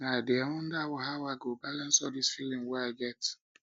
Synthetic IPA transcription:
nadeawɔ̃ndawɔɦawaɪɡobalãnsɔdisfilĩmwɛaɪɡɛt

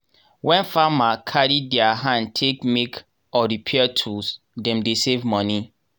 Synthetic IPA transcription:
wɛ̃nfamakʰaɾidɛaɦãntʰekmek | ɔɾipʰiɛtʰus | dɛ̃mdesevmɔ̃ni

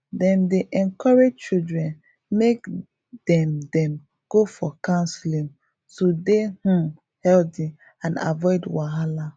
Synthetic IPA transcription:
dɛ̃ndeʔɛ̃nkɔɹed͡ʒt͡ʃildɹɛ̃n | mek | d̥ɛ̃mdɛ̃m | ɡ̥ofɔkãnslĩŋ | todehũ | hɛlti | ãna̰vɔɪdwaɦala

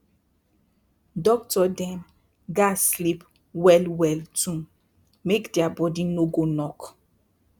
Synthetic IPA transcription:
dɔk̚tɔdɛ̃m | ɡaslip | wɛlwɛltũ | mekdeabɔdinoɡonɔk

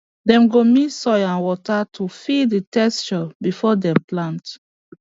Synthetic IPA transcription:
dɛ̃mɡomitsɔjãnwɔtatʰufiditɛst͡ʃɔbifɔdɛ̃mplãnt

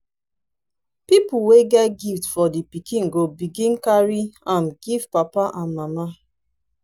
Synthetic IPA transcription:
pipuweɡɛtɡiftfɔdipikʰĩnɡobiɡĩnkaɹiãnɡ̥ivpapaʔãnmama

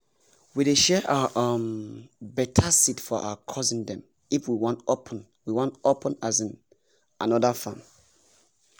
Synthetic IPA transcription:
wideʃɛʔaʔʌ̃mbɛtʰasitfɔʔa̰akʰɔzĩŋdɛ̃m | ifwiwɔ̃ntopʰn | wiwɔ̃ntopʰə̃nazĩn | a̰nɔdafãm

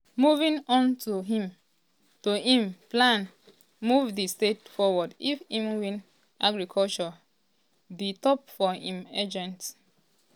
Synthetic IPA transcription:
muvĩnɔ̃ntuɦĩm | tuĩmplãn | muvdistetfɔwɔdifĩmuvĩn | ʔaɡɹikʰɔlt͡ʃɔ | ditɔp̚fɔhĩmed͡ʒɛ̃nt

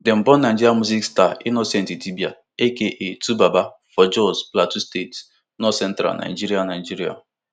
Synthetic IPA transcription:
dem̩bɔnad͡ʒiɾiamuzikstainɔsɛ̃n̩titibia | ekeʔetubaba | fɔd͡ʒɔsplatustet | nɔsɛn̩tɾa̰nʔa̰id͡ʒiɾianad͡ʒiɾia̰

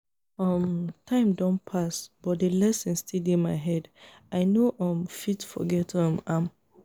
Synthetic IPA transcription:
ɔmtʰãɪ̃mdɔ̃npʰasb̥ɔtdelɛsɛ̃nstʰidemaɪɦɛd | aɪnoʔɔ̃mfitfɔ̰ɡɛtʰɔ̃mãm

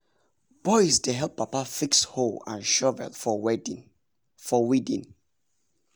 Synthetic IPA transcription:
b̥ɔɪsdeɦɛlpːapafiksholã̰nʃɔvɛ̰f | fɔwidḭ̃n

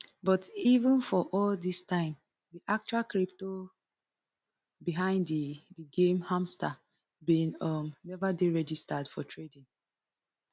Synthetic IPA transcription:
bɔtivə̃nfɔʔɔldistãɪ̃m | diʔak̚t͡ʃualkɹip̚to | biɦãɪ̃ndidiɡẽmhãmsta | bĩnʌmnɛvadeɹɛd͡ʒistadfɔtʰɹedĩŋ

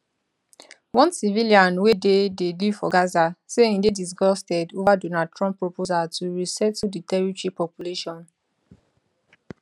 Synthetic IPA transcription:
wɔ̃nsiviliãnwedededifɔɡazaseĩndedis̬ɡɔstɛdovadonad̚tɹɔ̃mpːɹopozatʰuɹisɛtːuditɛɹitɹipɔpjuleʃɔ̃n

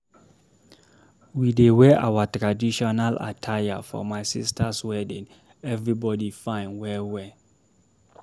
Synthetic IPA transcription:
widewɛʔa̰watɹadiʃɔnalʔa̰tʰajafɔ̰maɪsḭstʰaswɛdĩn | ɛvɹibɔdifãɪ̃nwɛwɛ

